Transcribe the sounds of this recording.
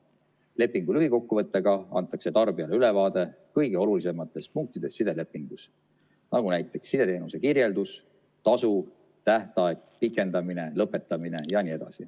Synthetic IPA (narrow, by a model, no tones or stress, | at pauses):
le̞pːˑiŋɡ̥ulyɦiko̞kːuvɤ̞t̪ːˑeɡ̥ɑɑ̰nt̪ːˑɑkse̞t̪ɑrb̥iɑleyle̞vɑːd̪̥e̞kɤjɡeo̞lulise̞mɑt̪ːˑe̞spuŋk̚t̪id̪̥e̞sːid̪̥e̞le̞pːˑiŋɡ̥us | nɑɡunæjt̪ːˑe̞ksːid̪̥e̞t̪e̞ːnuse̞kirje̞ld̪̥us | t̪ɑsu | t̪æht̪ɑeɡ̚ | pikːˑe̞nd̪ɑmine̞lɤpːˑe̞t̪ːˑɑmine̞jɑnʲie̞d̪̥ɑ̰sḭ